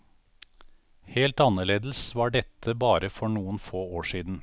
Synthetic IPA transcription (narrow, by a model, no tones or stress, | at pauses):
heːlt̪ɑnəɭeːd̪l̩sʋɑːɖɛt̪ʰəbɑːɾəfɔɳuːənfoːoːʃiːd̪n̩